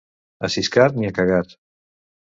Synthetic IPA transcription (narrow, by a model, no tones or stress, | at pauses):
asiskaɾniakaɣat̪